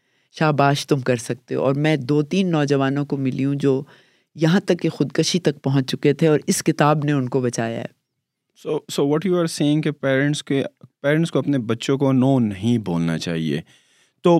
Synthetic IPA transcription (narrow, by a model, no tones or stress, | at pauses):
ʃaːbaːʃt̪ʊmkɐɾsɐk̚t̪ḛɔːɾmɛ̃ːd̪oːt̪iːnːɔːd͡ʒɐʋaːnõkomɪliũd͡ʒoː | jɐɦãt̪ɐkːexʊd̪kəʃit̪ɐk̚pɐɦʊ̃ɲt͡ʃt͡ʃʊket̪ʰeɔːɾɪskɪt̪aːbneʊnkobɐt͡ʃaːja̰ɦɛ̰ː | soːsoːʋɔʈjuaɾseːɪ̃ŋɡkepɛːɾə̃ɳʈskepɛːɾə̃ɳʈskoɐpnebɐtːʃõkonoːnːɐɦĩboːlna̰t͡ʃa̰ːɦiḛː | t̪oː